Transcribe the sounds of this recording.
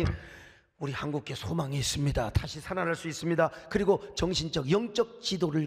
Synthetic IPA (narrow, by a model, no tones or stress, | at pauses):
uɾihanɡuk͈̚ʰe̞sʰomaŋiis͈ɯmɲidataɕʰisʰananɦaɭs͈uis͈ɯmɲidakɯɾiɡot͡ɕʌŋɕʰind͡ʑʌkjʌŋt͡ɕ͈ʌk̚t͡ɕidoɾɯɭ